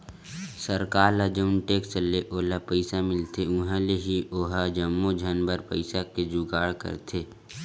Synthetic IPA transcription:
səɾkaːɾlad͡ʒəʊnʈeːkt͡ʃəleʔoːlapəɪsamɪlt̪ʰeʊ̃ɦãleɦiʔoːɦad͡ʒəmːod͡ʒʱənbəɾpəɪsaked͡ʒʊɡaːɽkə̰ɾt̪ʰeː

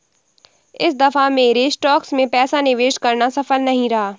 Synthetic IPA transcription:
ɪsd̪ɐfameːɾesʈɔːksmẽpɛːsanɪʋeːʃkɐɾnasɐfəlnɐɦĩɾɐɦaː

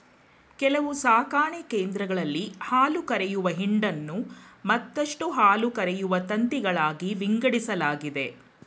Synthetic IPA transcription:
kɛlɐʋusaːkaːɳikeːnd̪ɾɐɡɐɭɐlːihaːlukɐɾɛjuʋɐɦiɳɖɐnːumɐt̪ːɐʂʈuɦaːlukɐɾɛjuʋɐt̪ɐnt̪iɡɐɭaːɡiʋiŋɡɐɽisɐlaːɡid̪e̞

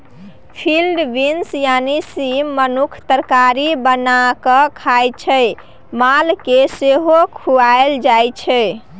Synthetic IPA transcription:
pʰilɖbinsjanisimːənukʰt̪əɾkaɾibənakəkʰajt͡ʃʰɛj | malkeseɦokʰuaeld͡ʒajt͡ʃʰɛ

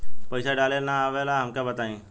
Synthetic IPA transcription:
pəɪsaɖaːlenaːʋelaɦɐmkabət̪aːẽː

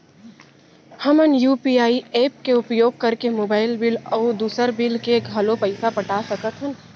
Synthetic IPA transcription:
həmənjuːpiaːieːp̚keʊpjoːɡ̚kɐɾkemoːbaːɪlbɪlɔːd̪uːsəɾbɪlkeɡʱɐlõpəɪsapəʈasəkət̪ɦən

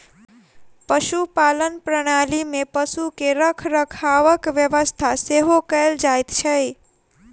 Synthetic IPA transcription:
pəʃupalənpɾəɽ̃alimepəʃukeɾəkʰɾəkʰaʋəkʋjəʋəst̪ʰaseɦokəld͡ʒajt̪t͡ʃʰəj

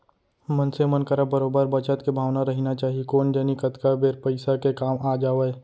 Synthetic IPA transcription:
mənsemənkəɾabəɾoːbəɾbət͡ʃət̪kebʱaːʋnaɾɐɦinat͡ʃaːɦiekoːnd͡ʒənikət̪kabeːɾpəɪsakekaːmaːd͡ʒaːʋe

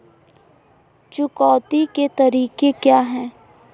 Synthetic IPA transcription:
t͡ʃʊkɔːt̪iket̪ɐɾiːkekjaːɦɛ̃ː

